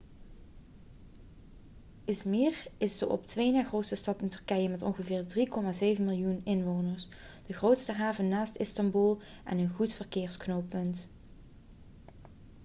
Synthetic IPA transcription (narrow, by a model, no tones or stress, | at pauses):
ɪsmirɪsdəʔɔ̰ptʋejnaːχrowtsəstɑtɪntɵɹkɛjəmɛtɔ̰nχəvɪːɹdrikɔmaːzejvənmɪlˠjunɪnʋownəɹs | d̥əχrowtstəɦaːvənːaːstɪstɑmbulˠ | ʔɛ̰nənɣutfərkɪːɹsknowpɵnt